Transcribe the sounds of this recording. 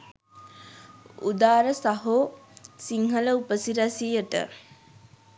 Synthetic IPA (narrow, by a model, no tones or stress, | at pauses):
ṵd̪aːɾəsaɦosiŋɦələupəsiɾasijəʈə̰